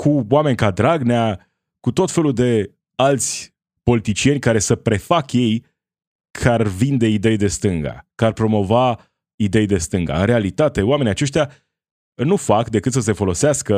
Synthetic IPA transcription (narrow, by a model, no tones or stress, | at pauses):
kʰuwame̞nʲkad̪ɾaɡnea | kut̪o̞t̪fe̞luld̪e̞ | alt̪sʲ | po̞lit̪it͡ʃie̞nʲkaɾe̞səpɾe̞fakje̞j | kʰarvind̪e̞id̪e̞jd̪e̞st̪ɨŋɡa̰kəarpɾo̞mo̞va | id̪e̞jd̪e̞st̪ɨŋɡa̰ɨnɾe̞alit̪at̪e̞oame̞niat͡ʃe̞ʃt̪ja | nufakd̪e̞kɨt̪səs̬e̞fo̞lo̞seaskə